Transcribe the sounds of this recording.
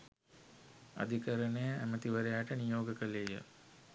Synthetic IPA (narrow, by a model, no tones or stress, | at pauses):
a̰d̪ʱikəɾənejəæmət̪iʋəɾejaːʈənijoːɡəkəlejə̰